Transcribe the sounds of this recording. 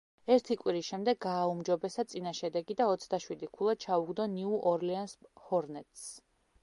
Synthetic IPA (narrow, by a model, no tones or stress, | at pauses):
ɛɾt̪ʰikʼwiɾisʃɛmd̪ɛɡaːumd͡ʒɔbɛsat̪sʼinaʃɛd̪ɛɡid̪aɔt̪sʰd̪aʃwid̪ikʰulˠat͡ʃʰauɡd̪ɔniuʔɔɾlianshɔɾnɛt̪ʼs